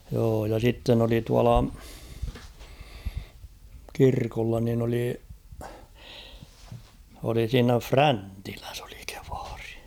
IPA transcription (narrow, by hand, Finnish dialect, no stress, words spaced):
joː jɑ sitːen oli tuɑlɑ kirkolːɑ nin oli oli siːnæ fræntilæs o̥l̥i̥ ke̥ʋ̥ɑ̥r̥i̥